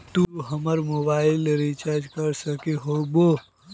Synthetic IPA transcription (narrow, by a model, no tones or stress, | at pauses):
t̪uɦəməɾmoːbaːɪlɾit͡ʃaɾd͡ʒkəɾsəkeɦobo